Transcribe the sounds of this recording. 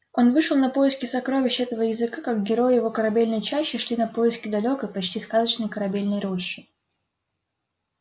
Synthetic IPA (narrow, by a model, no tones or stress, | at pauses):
o̞nvɨʂəlˠnɐpo̞jɪskʲɪsɐkɾo̞vʲɪɕːɛt̪əvəjɪzɨkakak̚ɡʲɪɾo̞jjɪvo̞kəɾɐbʲelʲnəjt͡ɕaɕːɪʂlʲinɐpo̞jɪskʲɪd̪ɐlʲo̞kəjpɐt͡ɕtʲiskazət͡ɕnəjkəɾɐbʲelʲnəjɾo̞ɕːɪ